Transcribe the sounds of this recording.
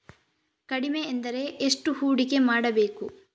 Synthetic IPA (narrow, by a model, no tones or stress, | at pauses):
kɐɽimeːnd̪ɐɾe̞eʂʈuhuːɽike̞maːɽɐbe̞ːku